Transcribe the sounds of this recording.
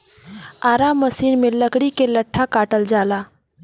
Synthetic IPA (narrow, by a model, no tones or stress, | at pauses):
aɾamːəsiːnmeləkɽikeləʈʰːakaʈəld͡zala